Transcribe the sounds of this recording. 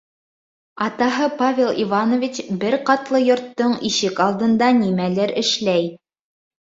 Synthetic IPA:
ɑt̪ɑɦɤpavʲelˠivanovʲit͡ɕbɘɾqɑt̪lˠɤjŏɾt̪ːoɴiʃɘkɑlˠd̪ɤ̆nd̪ɑnimælɘɾɘ̆ʃlæj

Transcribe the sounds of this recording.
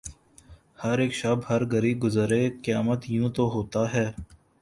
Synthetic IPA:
hɐɾeːkʃaːbɦɐɾɡəɾiːɡʊzəɾeːkɪjaːmət̪jũːt̪oɦoːt̪aɦɛː

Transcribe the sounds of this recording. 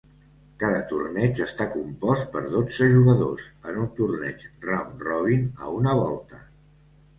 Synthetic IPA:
kaðət̪urnɛt͡ʃəst̪akumpɔst̪̚pəɾðod͡zəʒuɣəðo̰sənunt̪urnɛ̰t͡ʃramrɔβ̞inə̰unəβ̞ɔlˠt̪ə

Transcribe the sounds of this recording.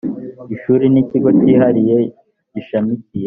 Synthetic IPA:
iʃuːɾiniciɡo̞ciːɦaɾije̞ | ɟiʃamicije

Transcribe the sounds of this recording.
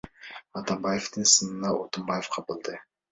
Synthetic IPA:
ɑt̪ɑmbɑjeft̪ɨnsɨnɨnɑot̪ɨmbɑjefqʰɑpɨlˠd̪ɨ

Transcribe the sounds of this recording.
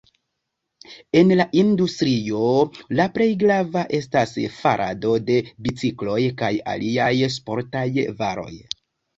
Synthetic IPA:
e̞nlaʔindustɾio̞lapɾe̞jɡɾavaʔe̞stasfaɾʔa̰do̞de̞bit͡siklo̞jkaja̰lʔiajs̬po̞ɾtajvaɾo̞̰j

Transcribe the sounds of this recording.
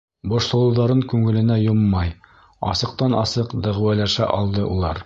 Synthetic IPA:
bŏʃlˠɤ̆lˠɤ̆wðɑɾɤŋkʉŋɘ̆lɘ̆næjomːɑj | ɑ̰sɤ̆q̚t̪ɑnɑsɤqd̪æ̆ʁwælæʃæ̰ʔɑ̰lˠd̪ɤʔulˠɑɾ

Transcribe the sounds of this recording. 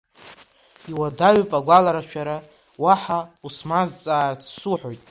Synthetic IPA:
iwadaɥpʼaɡʷalaɾaʃᶣaɾa | waħausmazt͡sʼaːrt͡sʰsuħo̞jtʼ

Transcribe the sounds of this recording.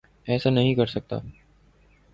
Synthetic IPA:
ɛːsanɐɦĩkɐɾsɐk̚t̪a̰ː

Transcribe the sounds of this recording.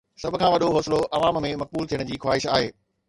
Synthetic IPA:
sɐbʱʊ̆kʰãːʋɐɗoɦoːsɪloʔɐʋaːmmẽmɐq̚buːlt̪ʰijəɽ̃d͡ʑiːxwaːɪʃa̰ːɦeː

